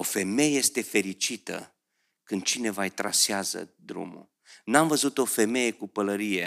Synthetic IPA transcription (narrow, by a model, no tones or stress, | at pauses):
o̞fe̞me̞jeje̞st̪e̞fe̞ɾit͡ʃit̪ə̰ | kɨnd̪̚t͡ʃine̞vajt̪ɾa̰seazə̰d̪ɾṵmṵ | namvəzut̪o̞fe̞me̞je̞kupələɾije̞